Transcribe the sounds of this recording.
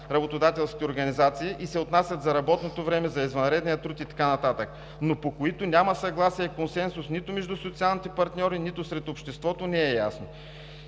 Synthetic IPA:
ɾɐbot̪od̪at̪ɛlˠskʲi̥t̪ɛoɾɡɐnizat̪siːʔisɛot̪nasʲjɐt̪zɐɾɐbɔt̪not̪ovɾɛmɛzɐizvɐnɾɛd̪nijət̪ɾut̪it̪ɐ̥kanɐt̪at̪ək | nopokoit̪onʲamɐsɐɡlˠasiɛkonsɛnsʊsnit̪ʊmɛʒd̪usot̪sialˠnit̪ɛpɐɾt̪nʲɔɾinit̪ʊsɾɛt̪opʃt̪ɛst̪vɔt̪onɛɛja̰sno

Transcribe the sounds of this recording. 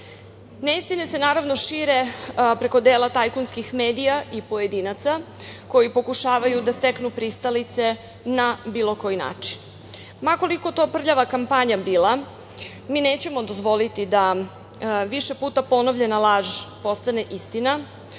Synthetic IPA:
neist̪inese̞naːɾaʋno̞ʃiːɾe̞pɾe̞ko̞d̪eːlat̪ajkunskixme̞ːd̪ijaʔipo̞je̞d̪inat̪sa | ko̞jipo̞kuʃaːʋajud̪ast̪eknupɾist̪alit̪se̞ | nabiːlˠo̞ko̞jina̰ːt͡ʂin | mako̞liko̞t̪o̞ːpr̩ʎaʋakampaɲabiːlˠa | miːne̞ːt͡ɕe̞mo̞d̪o̞zʋo̞lit̪id̪a | ʋiʃe̞puːt̪apo̞novʎe̞nalˠaːʒpo̞st̪ane̞ʔist̪ina

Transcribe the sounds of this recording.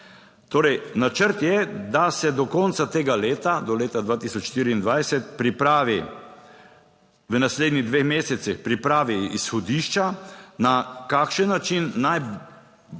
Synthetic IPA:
t̪oːɾɛjnat͡ʃəɾt̪jɛd̪asɛd̪ɔkɔnt̪sat̪eːɡaleːt̪ad̪ɔleːt̪ad̪ʋaːt̪isɔt͡ʃʃt̪iːɾiːnd̪ʋajsɛt̪pɾipɾaːʋi | ʋənasleːd̪niɣd̪ʋexmeːsɛt̪sixpɾipɾaːʋiisxɔd̪iːʃt͡ʃanakakʃənːat͡ʃinːaj

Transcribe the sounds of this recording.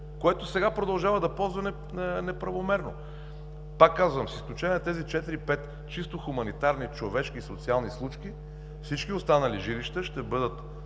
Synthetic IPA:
koɛt̪osɛɡapɾod̪ɐlˠʒavəd̪ɐpɔlˠzvɐnɛ | ənɛpɾɐvomɛɾno | pakːazvəmsisklʲut͡ʃɛnʲɛt̪ɛzit͡ʃɛt̪iɾipɛt̪ | t͡ʃist̪oxumɐnit̪aɾnit͡ʃovɛʃk̟iːsot̪sialˠnislˠut͡ʃki | fsit͡ʃkiost̪anɐliʒiliʃt̪əʃt̪ɛbɤd̪ət̪

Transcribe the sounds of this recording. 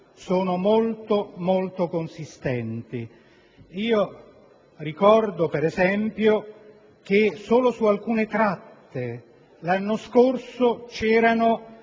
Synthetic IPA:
soːnomolt̪omolt̪okonsist̪ɛnt̪i | iːo | rikɔrd̪opɛɾɛzɛmpjo | k̟esoːlosualkuːnet̪ɾat̪ːe | lanːoskorsot͡ʃɛːɾano

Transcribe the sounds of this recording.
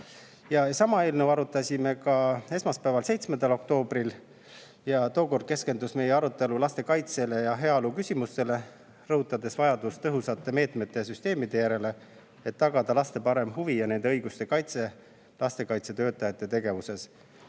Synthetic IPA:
jɑsɑmɑe̞ːlnewɑɾut̪ːˑɑsʲime̞kɑe̞smɑspæːvɑlse̞jt̪smend̪ɑlo̞k̚t̪o̞ːbɾil | jɑt̪o̞ːko̞rd̪̥̚ke̞ske̞nd̪usme̞jeɑɾut̪ːˑe̞lulɑst̪e̞kɑjt̪se̞le̞jɑɦe̞ɑolukysʲimust̪e̞le̞ | rɤhut̪ːˑɑd̪e̞svɑjɑd̪ust̪ɤɦusɑt̪ːˑe̞me̞ːt̪met̪ːˑe̞jɑsyst̪e̞ːmid̪e̞jæɾe̞le̞ | e̞t̪ːɑɡ̥ɑd̪ɑlɑst̪e̞pɑɾe̞mɦuvijɑne̞nd̪e̞ɤjɡust̪e̞kɑjt̪se̞ | lɑst̪e̞kɑjt̪se̞t̪ø̞ːt̪ːˑɑjɑt̪ːˑe̞t̪e̞ɡe̞vuse̞s

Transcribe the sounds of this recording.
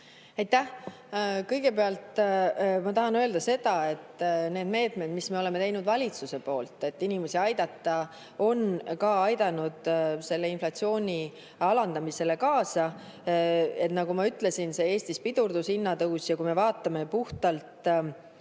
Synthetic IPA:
ɑjt̪ːæh | kɤ̞jɡe̞peɑlt̪ˑ | mɑt̪ɑɦɑnøld̪ɑse̞d̪̥ɑe̞t̪ːˑneːd̪̥me̞ːt̪me̞d̪misme̞o̞le̞me̞t̪ejnud̪vɑlʲit̪suse̞po̞ːlt̪ˑːe̞t̪ːinimesiɑjd̪̥ɑt̪ˑːɑ | o̞nkɑɑjd̪̥ɑnud̪̥se̞lːe̞inflɑt̪sio̞ːnʲi | ɑlɑnd̪ɑmise̞le̞kɑːsɑ | e̞t̪ˑnɑɡ̥umɑyt̪ːˑle̞sinse̞eːst̪ispid̪̥urd̪̥usinːɑt̪ɤwsjɑkujme̞vɑːt̪ːˑɑme̞puht̪ɑlt̪

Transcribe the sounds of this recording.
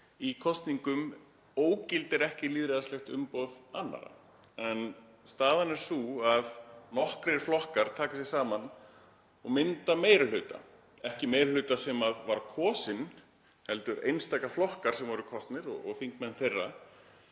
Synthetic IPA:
ikʰɔst̪niŋkʏm | oːwcɪlt̪ɛɾɛhcɪliːðɾɛðaslɛxt̪ʏ̰mpowðanːa̰ɾa̰ | ɛn | st̪aːðanɛɾ̥suaðnɔhkɾɪɾ̥flɔhkaɾ̥t̪ʰaːkasjɛ̥saːman | ɔɣmɪnt̪ameːjɾɪlʏːt̪a̰ | ɛhcɪmeːjɾlʏːt̪asɛmaðvaɾkʰɔːsɪn | hɛlt̪ʏɾḛjnst̪aːjkaflɔhkaɾ̥sɛmvɔɾʏkʰɔst̪nɪɾɔ̰ɔɣθiŋkmɛnːθejrːa

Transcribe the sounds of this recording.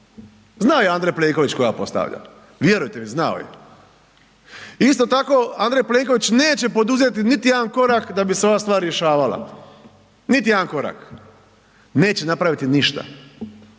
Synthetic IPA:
znaojeand̪ɾejpleːŋko̞ʋit͡ɕko̞japo̞st̪a̰ʋʎa̰ | ʋje̞ɾujt̪emiznao̰jḛ | ist̪o̞t̪ako̞and̪ɾejple̞ːŋko̞ʋit͡ɕne̞ːt͡ɕe̞po̞d̪uze̞t̪init̪ijed̪anko̞ɾakd̪abiseo̞ʋaːst̪ʋaːɾɾjeʃaːʋala̰ | nit̪̬ijed̪anko̞ɾa̰k | ne̞ːt͡ɕe̞napɾaʋit̪iniʃt̪a̰

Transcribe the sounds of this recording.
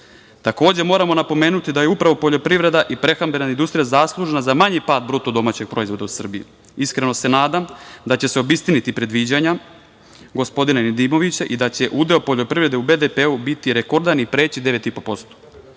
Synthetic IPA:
t̪ako̞ːd͡ʑemo̞ːɾamo̞napo̞me̞ːnut̪id̪aje̞upɾaʋo̞po̞ʎo̞pɾiʋɾe̞d̪aʔipɾe̞xambe̞naind̪ust̪ɾijazaslˠuʒnazamaɲipaːd̪̚bɾut̪od̪o̞mat͡ɕe̞ɡ̥̚pɾo̞izʋo̞d̪ausr̩bijḭ | iskɾeno̞se̞naːd̪amd̪at͡ɕe̞seo̞bist̪init̪ipɾe̞d̪ʋiːd͡ʑaɲa | ɡo̞spo̞d̪inanid̪iːmo̞ʋit͡ɕaʔid̪at͡ɕe̞ʔud̪eopoʎo̞pɾiʋɾe̞d̪eube̞d̪epeubit̪iɾeko̞ɾd̪anipɾe̞ːt͡ɕid̪e̞ʋe̞t̪ipo̞po̞st̪o̥

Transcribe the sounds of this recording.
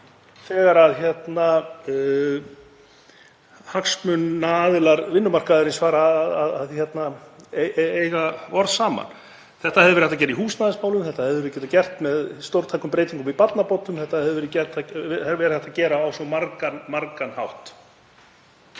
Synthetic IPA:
θɛːɣaɾaðçjɛt̪na | haksmʏnːaaːðɪlaɾvɪnːʏmar̥kaðɪɾɪnsvaːɾaðaðaðçjɛt̪naeeːjɣaɔɾðsaːma̰n | θɛht̪ahɛðʏvɛɾhɛt̪acɛːɾɪihuːsnaːðɪsmaːwlʏmθɛht̪ahɛvʏɛɾɪcɛːt̪acɛr̥t̪mɛðst̪owɾt̪ʰajkʏmpɾeːjt̪iŋkʏmipat̪napɔt̪ʏmθɛht̪ːaðɛðʏvɛɾɪcɛrt̪aɛhɛvɛɾθɛht̪acɛːɾaːwsɔmaɾkanmaɾkanhawht̪

